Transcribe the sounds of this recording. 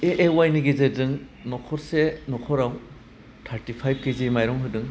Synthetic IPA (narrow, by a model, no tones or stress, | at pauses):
eʔewajniɡizedɯŋnɔkʰɔɾsenɔkʰɔɾaw | tʰaɾtipʰajb̚kezimajɾɔŋɦɯdɯŋ